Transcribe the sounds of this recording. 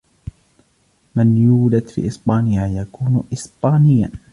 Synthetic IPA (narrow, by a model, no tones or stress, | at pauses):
mɪnjuːd͡ʒad̪fḭːʔɪsbaːnɪjajakuːnʔɪspaːnɪjːa̰